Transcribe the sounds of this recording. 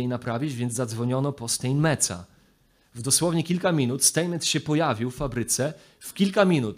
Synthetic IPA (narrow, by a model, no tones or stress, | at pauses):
ejnapɾavʲjid͡ʑvʲjɛnd̪zzad̪zvɔɲɔnɔpɔst̪ɛjnmɛt̪sa̰ | vd̪ɔswɔvɲɛkʲilkamʲinut̪st̪ɛjmɛt̪ɕɛpɔjavʲiwfːabɾɘt̪sɛ | fkʲilkamʲinut̪